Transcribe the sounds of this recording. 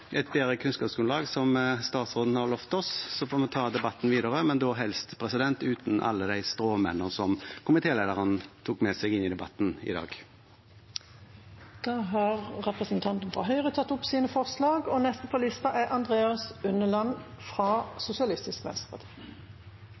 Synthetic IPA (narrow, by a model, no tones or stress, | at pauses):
ʔɛt̪̚beːʁəkʰʉnskɑːpsɡʉnlɑːɡsɔmst̪ɑːt̪sʁoːd̪n̩hɑʁlœft̪ɔssɔfoːmɛnt̪ʰɑːd̪ɛbɑt̪ːn̩ʋiːd̪əʁəmɛnd̪ɔɦɛlst̪pʰʁɛsɪd̪ɛnt̪ʉːt̪n̩ʔɑ̰lːəd̪æɪst̪ʁoːmɛ̰nːənsɔmkʰʊmɪt̪ʰeːleːd̪əʁənt̪ʰuːkmɛsɛɡɪnɪd̪ɛbɑt̪ːnɪ̰d̪ɑ̰ːɡ | d̪̥ɑːɦɑːʁːɛpʁəsənt̪ʰɑnt̪nfʁɑ̰ɦœʏʁət̪ʰɑt̪ːʊpsiːnəfɔʁslɑːɡɔnɛst̪əpʰɔlɪst̪ɑʔɛʔɑnd̪ʁeːɑsʉnəlɑn | fʁɑsʊsɪɑlɪst̪ɪskʋɛ̰nst̪ə̥pɑt̪ʰi̥ː